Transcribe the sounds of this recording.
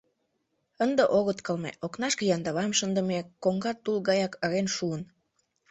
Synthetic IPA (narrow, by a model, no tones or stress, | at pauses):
ənd̪eʔoɣət̪kəlmḛʔoknɑʃkejɑnd̪əβɑmʃənd̪ə̆mekoŋɡɑt̪ːulɣɑjɑkɑɣenʃuən